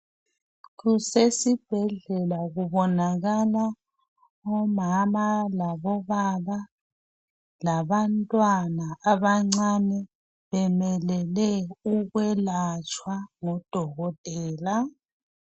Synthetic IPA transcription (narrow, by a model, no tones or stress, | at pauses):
ɣusesib̥ʱɛɮɛlaɣuβɔnaɣala | ɔmamalaβɔβaβa | laβantʼwanaaβaŋ͡ǀanɛ | βɛmɛlɛlɛuɣwɛlat͡ʃʰʼwaŋɔd̥ʱɔɣɔtʼɛːla